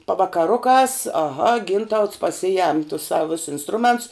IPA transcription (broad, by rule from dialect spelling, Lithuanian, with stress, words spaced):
pɐʋɐkɐˈrʊkɑːs ɐˈɣɐ ˈɡʲɪntɐʊts pɐˈsʲɪjɛm tʊs ˈsɐw ʋʲɪs ɪnsˈtrʊmʲɛnts